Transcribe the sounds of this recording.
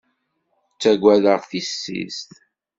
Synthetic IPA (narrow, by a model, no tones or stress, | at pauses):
t͡sːæɡʷːæðəʁθisːḭst̪